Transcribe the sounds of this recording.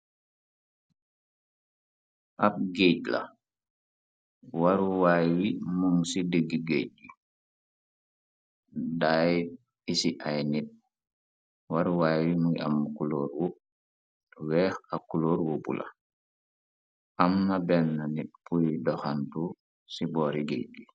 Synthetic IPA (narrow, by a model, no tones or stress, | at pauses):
ʔap̚ɡeɟla̰ | waɾwajwimuŋsidəɡiɡeɟ̚i | daj | isiʔajnit̚ | waɾuwaːjwimuŋia̰mːukuloːɾwu | wɛːxakuloːɾwubṵlʔa̰ | ʔamnabɛnːanit̚pujdɔxantu | sibɔːɾiɡḛɟwi